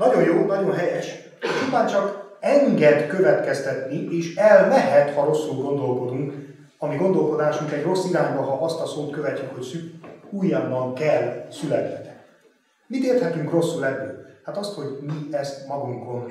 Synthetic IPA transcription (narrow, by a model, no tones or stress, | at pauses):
nɒɟo̞jjoːnɒɟo̞nɦɛjɛʃ | t͡ʃupaːnt͡ʃɒkɛŋɡɛd̪køvɛt̪kɛst̪ɛt̪nieːʃɛlnɛɦɛt̪hɒɾo̞sːulɡo̞nd̪o̞lko̞d̪uŋk | ɒmiɡo̞nd̪o̞lko̞d̪aːʃuŋkɛɟro̞sːiɾaːɲbɒɦɒʔɒst̪ɒsoːt̪køvɛcːykho̞csykujːɒbːɒŋkɛlːsylɛt̪hɛt̪ɛ̥ni | mit̪eːrt̪hɛt̪yŋkro̞sːulɛd̪ːylhat̪ɒst̪ho̞ɟmiɛst̪mɒɡuŋko̞n